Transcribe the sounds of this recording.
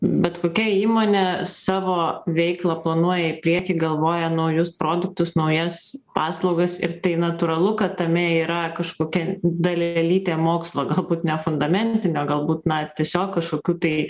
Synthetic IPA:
bʲɛt̪koːkʲɛiːmoːnʲesɑːʋoːʋʲɛɪklˠɐplˠɐnuɔjɛɪpʲɾʲiɛkʲɪɡɐlˠʋoːjɛnɐʊjʊspɾoːd̪ʊk̚t̪ʊsnɐʊjɛspɑːslˠɐʊɡɐsɪ̰ɾt̪ɐɪnɐt̪uːɾɐlˠʊkɐt̪tɐmʲɛiːɾɐkɐʃkoːkʲɛd̪ɐlʲɛɛlʲiːt̪ʲeːmoːkslˠoːɡɐlˠbuːt̪nʲɛfʊnd̪ɐmʲɛnʲt̪ʲɪnʲoːɡɐlˠbuːt̪nɐt̪ʲiɛsʲoːkːɐʃkoːkʲuːt̪ɐɪ

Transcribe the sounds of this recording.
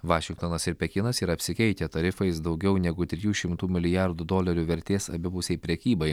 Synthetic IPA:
ʋɑːʃʲɪŋk̚t̪oːnɐsɪɾpʲɛkʲɪnɐsɪɾɐpʲsʲɪkʲɛɪt̪ʲɛt̪ɐɾʲɪfɐɪsd̪ɒʊɡʲɛʊnʲɛɡʊt̪ʲɾʲɪjuːʃʲɪmt̪uːmʲɪlʲɪjæɾd̪ʊd̪oːlʲɐɾʲuːʋʲɛɾʲt̪ʲeːsɐ̰bʲɪbʊsʲɛɪpʲɾʲɛkʲiːbɐɪ

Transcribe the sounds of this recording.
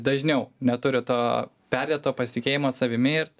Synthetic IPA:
d̪ɐʒʲnʲɛʊnʲɛt̪ʊɾʲɪt̪oː | pʲæɾʲdʲeɛtt̪oːpɐsʲt̪ʲɪkʲeːjɪmoːsɐʋʲɪmʲɪɪɾ

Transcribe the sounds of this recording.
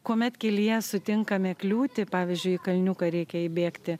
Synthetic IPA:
kuɔmʲɛt̪kʲɛlʲijɛsʊt̪ʲɪŋkɐmʲɛklʲuːt̪ʲɪpɑːʋʲɪzʲd͡ʒʲʊɪɪkɐlʲnʲʊkɐɾʲɛɪkʲɛɪbʲeːkt̪ʲɪ

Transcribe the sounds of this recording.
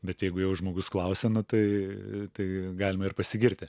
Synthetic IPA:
bʲɛt̪jɛɪɡʊjɛʊʒmoːɡʊsklˠɐʊsʲɛnʊt̪ɐɪt̪ɐɪɡɑːlʲɪmɐɪrpɐsʲɪɡʲɪɾʲt̪ʲɪ

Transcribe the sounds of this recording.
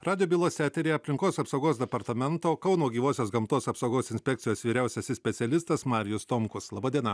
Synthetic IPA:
ɾɑːd̪ʲɪjobʲiːlˠoːsʲæːt̪ʲɛɾʲeːɐpʲlʲɪŋkoːsɐpsɐʊɡoːsd̪ʲɛpɐɾt̪ɐmʲɛnt̪oːkɐʊnuːɔɡʲiːʋoːsʲoːsɡɐmt̪oːsɐpsɐʊɡoːsɪnʲsʲpʲɛk̚t̪ʲɪjoːsʋʲiːɾʲæˑʊsʲɛsʲɪsʲpʲɛt̪sʲɪɛlʲɪst̪ɐsmɑːɾʲɪjʊst̪omkʊslˠɑːbɑːd̪ʲiɛnɐ

